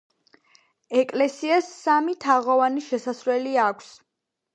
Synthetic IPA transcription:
ɛkʼlɛsiasːamit̪ʰaʁɔvaniʃɛsasɾwɛliakʷʰs

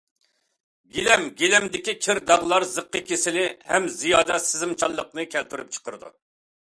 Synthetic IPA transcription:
ɡʲelɛmɡʲelɛmd̪ɪkʲikʲʰɪɾd̪ɑʁlˠɑɾzəqːəkʲʰesɪlɪhɛmzijɑːd̪ɛsɪzɪmt͡ʃʰɑlˠːəqnɨkʲʰɛlt̪ʰyɾyp̚t͡ʃʰə̥qʰəɾɨd̪ṵ

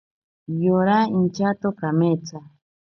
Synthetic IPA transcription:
joɾaint͡ʃat̪okamet͡sa

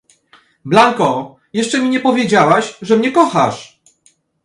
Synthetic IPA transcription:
blaŋkɔ | jɛʂt͡ʂɛmʲiɲɛpɔvʲjed͡ʑawaɕʐɛmɲɛkɔxaʂ

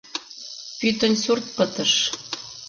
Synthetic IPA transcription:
pyt̪ə̆nsurt̪̚pɤ̆t̪ə̆ʃ

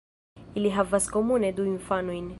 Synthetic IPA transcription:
iliɦavaskomuned̪uiɱfanujn

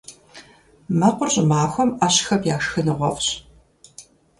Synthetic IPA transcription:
mɐqʷʊrɕʼɪmaːxʷɔmaɕxɐpjaːʂxɨnɨʁʷɔ̰fɕ

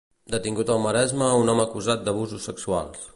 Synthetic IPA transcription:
d̪ət̪iŋɡut̪əlˠməɾɛzməunɔməːkuzat̪̚d̪əβ̞uzusːəksua̰lˠs

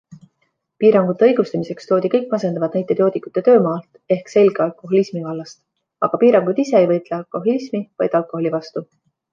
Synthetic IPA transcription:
piːɾɑŋɡ̥ut̪ːˑe̞ɤ̞jɡ̥ust̪ɑmise̞kst̪o̞ːd̪ikɤ̞jkːˑmɑse̞nd̪ɑvɑt̪̚næjt̪ːˑet̪jo̞ːt̪ikːˑu̥t̪ːˑe̞t̪ø̞ːmɑːlt̪ | e̞hkse̞lʲɡeɑlko̞ɦolismikɑlːɑst̪ | ɑ̰ɡ̥ɑpiːɾɑŋɡ̥ud̪̥ise̞ejvɤjt̪leɑlko̞ɦolismivɑjd̪̥ɑlkˑo̞ho̞lʲivɑst̪u

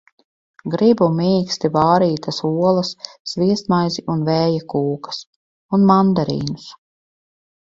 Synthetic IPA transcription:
ɡɾibumʲiːkst̪ivaːɾiːt̪asuɔlˠɐsːviɛst̪majziʔunvɛːjakuːkɐ̥s | unmand̪aɾḭːnus

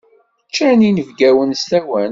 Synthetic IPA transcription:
t͡ʃːæninəvɡæwənst̪æwæn

